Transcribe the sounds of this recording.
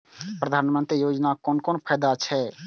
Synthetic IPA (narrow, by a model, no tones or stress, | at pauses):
pɾəd̪ʱaːnmənt̪ɾijoːd͡ʒnakoːnkoːnpʰəːd̪at͡ʃʰɛ